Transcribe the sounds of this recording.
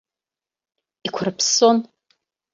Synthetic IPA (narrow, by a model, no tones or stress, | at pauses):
ikʷʰʊrpʰson